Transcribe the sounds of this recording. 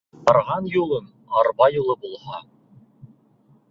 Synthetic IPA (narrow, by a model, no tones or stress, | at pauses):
ɑɾʁɑnjulˠɤn | ɑɾβɑjulˠɤbulˠhɑ